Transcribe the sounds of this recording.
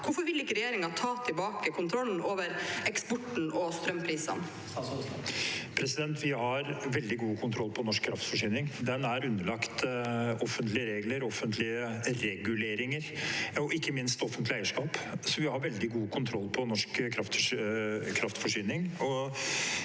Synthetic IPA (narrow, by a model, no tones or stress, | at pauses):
kʊfɔɾʋɪlɪkːəɾɛjeːɾɪŋɑt̪ʰɑːt̪ʰɪbɑːkəkʰʊnt̪ʰɾɔln̩oːʋəɾɛksbɔʈːɳ̩ʔɔst̪ɾœmpʰɾiːsə̰n | pʰɾɛsɪd̪ɛnt̪ʰʋɪhɑɾʋɛld̪ɪɡuːkʰʊnt̪ʰɾɔlːpʰɔnɔʂk̚ʰːɾɑft̪fɔʂyːnɪŋd̪ɛnæɾʉnːəɭɑkt̪ɔfːənt̪lɪəɾeːɡləɾɔfːənt̪ʰlɪəɾɛɡʉleːɾɪŋəɾɔɪkːəmɪnst̪ɔfənt̪lɪæɪəʂkɑːpsɔʋɪhɑɾʋɛld̪ɪɡuːkʰʊnt̪ʰɾɔlːpʰɔnɔʂkkʰɾɑft̪ | kʰɾɑft̪fɔʂyːnɪŋɔ